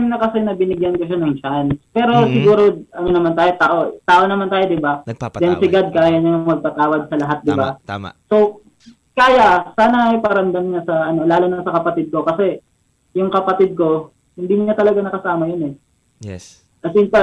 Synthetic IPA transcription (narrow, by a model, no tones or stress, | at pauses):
mnɐkɐsɛnɐbɪnɪɡjɐnkoʃanɐŋt͡ʃanspɛːɾo̞sɪɡuːɾo̞ɐnonɐmant̪aːjo̞t̪aːʔot̪aːʔo̞nɐmant̪aːjo̞d̪ɪbad̪ɛnsɪɡad̪̚kaːjɐɲamɐɡ̚pɐt̪aːwɐd̪̚sɐlɐɦat̪̚d̪ɪbaso̞ | kaːjɐʔsaːnɐɐjpɐɾɐnd̪ɐmɲasɐʔɐno̞laːlonasɐkɐpɐt̪ɪd̪̚ko̞kɐsɛ | jʊŋkɐpɐt̪ɪd̪̚ko̞ | hɪnd̪iːɲɐt̪ɐlɐɡanɐkɐsaːmɐjonɛ | ɐsɪnpɐ